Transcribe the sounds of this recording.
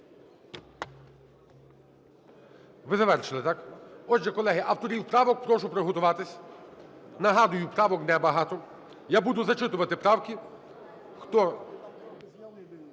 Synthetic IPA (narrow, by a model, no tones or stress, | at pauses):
ʋɪzɐʋɛrʃɪlˠɪt̪ɑkɔʒd͡ʒɛkɔlˠɛɦɪʔɐwt̪ɔɾʲiwpɾɑʋɔk̚pɾɔʃʊpɾeɦɔt̪ʊʋɑt̪ɪsʲ | nɐɦɑd̪ʊjʊpɾɑʋɔknɛbɐɦɑt̪ɔ | jabud̪ʊzɐt͡ʃɪt̪ʊʋɐt̪ɪpɾɑwkʲi | xt̪ɔ